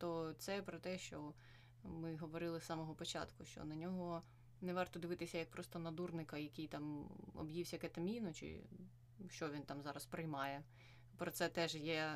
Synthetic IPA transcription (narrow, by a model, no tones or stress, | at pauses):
t̪ɔt̪sɛpɾɔt̪ɛʃt͡ʃɔ | mɪɦɔʋɔɾɪlˠɪsːɑmɔɦɔpɔt͡ʃɑ̰t̪kʊʃt͡ʃɔ̰nɐnʲɔɦɔ | nɛʋɑrt̪ɔd̪ɪʋɪt̪ɪsʲɐjɐk̚pɾɔst̪ɔnɐd̪urnɪkɐjɐkʲijt̪ɑmɔ̰bjiwsʲɐkɛt̪ɐmʲinʊt͡ʃɪ̰ | ʃt͡ʃɔʋʲint̪ɑmzɑɾɐspɾɪjmɑjɛ | pɾɔt̪sɛt̪ɛʒjɛ